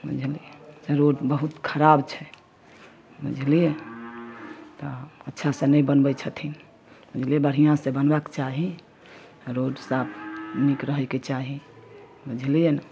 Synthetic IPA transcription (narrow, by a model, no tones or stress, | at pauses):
bṵd͡ʒʱlieseɾoɖbəɦut̪kʰəɾabt͡ʃʰɛ | bṵd͡ʒʱlije | t̪ɔətːʃʰasenəjbənbɛt͡ʃʰət̪ʰin | bud͡ʒʱlijebəɽ̤ijãsẽbənbakt͡ʃaɦi | ɾoɖsapʰnikɾəɦəket͡ʃaɦi | bud͡ʒʱlijen